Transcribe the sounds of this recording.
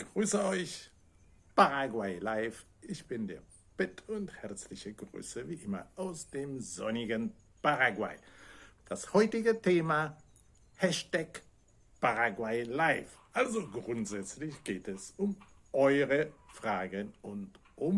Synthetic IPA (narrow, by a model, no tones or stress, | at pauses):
ɡ̥ʁyːsəɔʏç | paʁaɡwaɪlaɪf | ʔɪçb̥ɪndeːɐ | b̥ɛtʰʊnthɛɐt͡slɪçəɡʁy̰ːsəviːʔɪmɐ̰ʔaʊsd̥eːmzɔnɪɡən | paʁaɡwa̰ɪd̥ashɔʏtɪɡətʰeːma | hɛʃtɛk | paʁaɡwaɪlaɪf | ʔalzoɡʁʊntz̥ɛt͡slɪçɡ̥eːtɛsʊm | ʔɔʏʁəfʁ̥aːɡənʔʊnt | ʔʊm